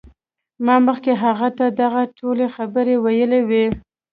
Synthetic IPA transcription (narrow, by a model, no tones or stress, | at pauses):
mɑməxkeɦaɣat̪ad̪aɣaʈʰolexabəɾewajəlewe